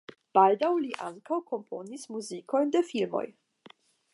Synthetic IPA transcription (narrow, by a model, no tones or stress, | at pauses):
b̥aldawliʔa̰ŋkawko̞mpʰo̞nismuziko̞jndefilmo̞̰j